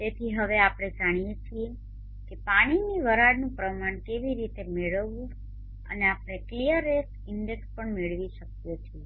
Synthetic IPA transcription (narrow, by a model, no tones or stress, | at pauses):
t̪et̪ʰiɦəʋeapɽ̃ed͡ʒaɽ̃ijet͡ʃʰie | kepaɽ̃iniʋəɾaɽnũpɾəmaɳkeʋiɾit̪emeɭəʋːũ | ə̰neapɳ̃eklijəɾesʈɪɳɖekspəɳmeɭʋiʃək̚jet͡ʃʰie